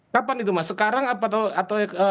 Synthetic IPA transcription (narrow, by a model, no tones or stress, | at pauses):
kapanit̪umasəkaɾaŋapat̪awat̪awə